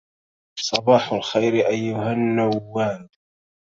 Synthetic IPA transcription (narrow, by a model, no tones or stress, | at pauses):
sˤɑbɑːħalxajɾʔajːʊhanːaːaːl